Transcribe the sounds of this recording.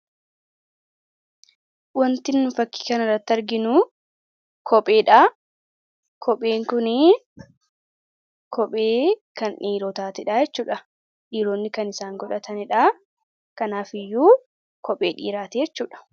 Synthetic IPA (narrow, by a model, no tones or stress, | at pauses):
wɐnt̪ɪnːʊfɐkːi̥ːkɐnɐrːɐt̪ːɐɾɡɪnu | kʰɔpʼeːᶑaː | kʰɔpʼeːŋkʊnɪ | kʰɔpʼeːkɐnᶑiːɾoːt̪aːt̪ɪᶑaːjɛt͡ʃːuːᶑɐ | ᶑiːɾoːnːɪkɐnɪsaːŋɡɔᶑɐt̪ɐnɪᶑaː | kɐnaːfɪjːuː | kɔpʼḛːᶑḭːɾaːt̪eːjɛt͡ʃːuːᶑɐ̥